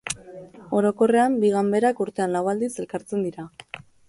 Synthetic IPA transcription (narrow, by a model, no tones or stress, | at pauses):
o̞ɾo̞ko̞re̞ambiɣambe̞ɾakuɾt̪e̞anlawald̪ise̞lkaɾt͡se̞nd̪iɾa